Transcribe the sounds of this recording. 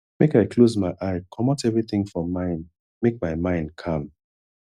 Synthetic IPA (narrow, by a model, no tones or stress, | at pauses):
mekaɪkʰlozmaɪʔaɪkʰɔmɔtɛvɹiθɪ̃ŋfɹɔ̃mãɪ̃n | mek̚maɪmãɪ̃nd̚kʰãm